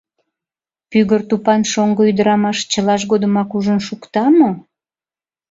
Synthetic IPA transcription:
pyɣərt̪upɑnʃoŋɡoyd̪əɾɑmɑʃt͡ɕəlɑʃ̬ɡod̪əmɑkuʒənʃukt̪ɑmo

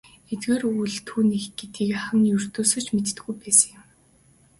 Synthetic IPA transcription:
et̪ɡeːruɮt̪ʰːuːniːxɡet̪ɡiːkaχə̆ŋjɵr̥t̪oːsɵ̆t͡ɕmet̪t̪̆ɡujpæːsə̆ŋjʊm

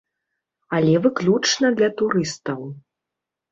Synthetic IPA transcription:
ɐlʲɛvɨklʲut͡ʂnɐd̪lʲɐt̪uɾɨst̪ɐw

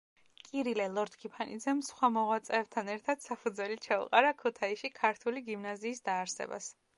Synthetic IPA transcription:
kʼiɾilɛlˠɔɾd̪kʰipʰanḭd̪zɛmsχwamɔʁwat̪sʼɛːb̚t̪ʰanɛɾt̪ʰad̪̥sapʰud̪zwɛlit͡ʃʰaṵqʼaɾakʰut̪ʰaiʃikʰaɾt̪ʰuliɡimnaziːsd̪aːɾsɛ̰ba̰s

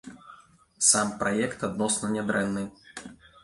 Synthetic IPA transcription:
sampɾajɛkt̪ad̪nɔsnɐnʲɛd̪ɾɛnːɨ

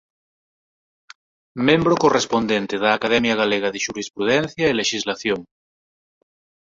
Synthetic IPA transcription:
mẽmbɾokorespond̪ent̪eðaːkaðɛmjaɣ̞aleɣ̞aðeʃuɾispɾuðɛn̟θjaeleʃizlaθjoŋ

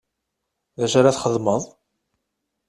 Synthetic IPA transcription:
ðæʃaɾaθχəðˤməðˤ

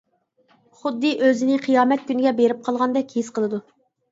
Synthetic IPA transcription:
χʊd̪ːɨʔøzɪnɪqʰijɑːmɛt̪̚kʲynɪɡʲɛbeɾɪp̚qʰɑlˠʁɑnd̪ɛkʲhesqʰəlˠɨd̪u

